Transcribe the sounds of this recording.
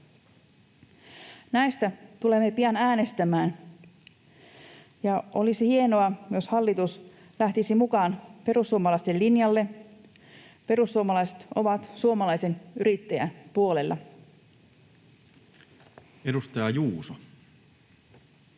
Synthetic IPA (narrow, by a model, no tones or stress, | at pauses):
næjst̪æt̪ule̞mːe̞piɑnæːne̞st̪æmæːn | jɑʔo̞lisihie̞no̞ɑjo̞shɑlːit̪us | læht̪isimukɑːnpe̞rusːuomɑlɑist̪elːinjɑlːe̞ | pe̞ɾusːuomɑlɑise̥t̪ʔo̞ʋɑt̪suo̞mɑlɑjse̞nyɾit̪ːæjæ̰npuole̞lːɑ̰ | edust̪ɑjɑjuːso